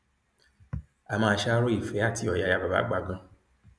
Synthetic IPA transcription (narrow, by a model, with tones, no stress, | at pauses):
a˨mãː˧˦ʃa˦ɾo˦i˨fe˨˦a˦˨tʰi˦ɔ˨ja˨ja˨ba˨ba̰˨˦ɡ͡ba˨ɡã˧˦